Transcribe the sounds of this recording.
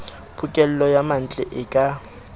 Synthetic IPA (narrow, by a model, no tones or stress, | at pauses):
pʰʊkʼɛl̩lɔjaman̩t͡ɬʼɛʔɪkʼa